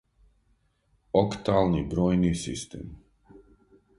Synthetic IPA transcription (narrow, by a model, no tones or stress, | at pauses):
okt̪aːlˠnibɾoːjnisḭst̪ḛːm